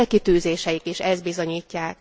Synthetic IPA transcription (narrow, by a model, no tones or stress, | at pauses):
lkit̪yːzeːʃɛjikiʃɛzd̪̚bizo̞ɲiːcːaːk̚